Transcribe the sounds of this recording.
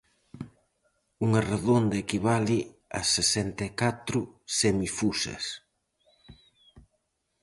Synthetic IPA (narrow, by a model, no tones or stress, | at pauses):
uŋɐreðond̪ɐekiβalɪɐ̰sesɛnt̪ɐekat̪ɾʊsemifusɐ̰s